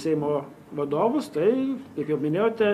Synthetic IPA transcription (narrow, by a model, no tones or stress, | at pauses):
sʲɛɪmoː | ʋɐd̪oːʋʊst̪ɐɪkɐɪpjɛʊmʲɪnʲeːjoːt̪ʲɛ